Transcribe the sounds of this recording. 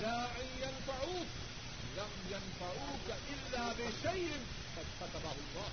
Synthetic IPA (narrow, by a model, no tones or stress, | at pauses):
laːʔɪnjanfaʕuːk | lamjanfaʕuːkaʔɪlːaːbɪʃajʔɪn | qɑd̪kat̪abahʊlˤːɑː